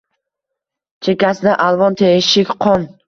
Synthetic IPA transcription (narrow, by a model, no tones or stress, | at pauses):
t͡ʃʰekʲasɪd̪aʔalˠvɒnt̪ʰeʃɪkʲqʰɒn